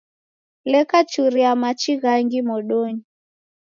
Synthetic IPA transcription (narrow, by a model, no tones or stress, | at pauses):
lɛkat͡ʃuɾiamat͡ʃiɣaŋɡimɔɗɔɲi